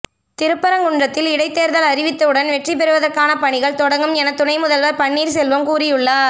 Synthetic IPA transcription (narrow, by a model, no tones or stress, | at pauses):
t̪ɪɾɯpːɐɾɐŋkʊɳdrɐt̪ːɪlɪɽɐɪt̪ːeːɾðɐlɐɾɪʋɪt̪ːɐɯɽɐnʋɛʈrip̬ɛɾɯʋɐðɐɾkaːnɐpɐɳɪɣɐɭt̪ɔɽɐŋɡɯmɛnɐt̪ːʊnɐɪmʊðɐlʋɐɾpɐɳːiːɾsɛlʋɐmkuːrɪjɯɭːɐ